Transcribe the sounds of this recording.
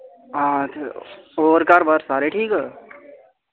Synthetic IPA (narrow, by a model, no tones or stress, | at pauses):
at̪ʰoːəɾkaːɾbəɾsaːɾeʈʰiːkɦɛ